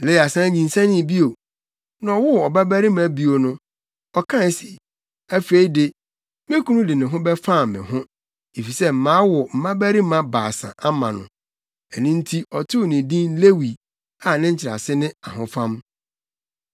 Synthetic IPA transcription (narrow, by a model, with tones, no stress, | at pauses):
le˦˨a˨sã˦ɲĩ˨n˨sã˦nɪ̃˦˨bi˦o˨ | nã˨wʊ˦ɔ˨ba˦bæ˦ɾi˦mã˨˦bi˦o˨nʊ̃˦ | ɔ˨kʰã˦si˨ | æ˦fe˨i˦de˨ | mẽ˦kʰũ˦nʊ̃˦dɪ˨nɪ̃˨ɦʊ̃˦bɛ˦fa˦˨mɪ̰̃˨hʊ̃˦ | e˨fi˨sɛ˦m̩˨mãː˨˦wʊ˨m̩˨mã˦bæ˦ɾi˦mã˦baː˨sã̰˨ʔa˦mã̰˨nʊ̰̃˨ | ɛ˨nɪ̃˦n̩˦tʰi˦ʔɔ˨tʰɪ˦˨nɪ̃˨dĩ˦nle˦wi˨ | a˨nɪ̃˦ɲ̩˦t͡ɕʰɪ˨ɾa̰˨sɪ˦nɪ̃˦a˨ɦʊ̃˦fã˦m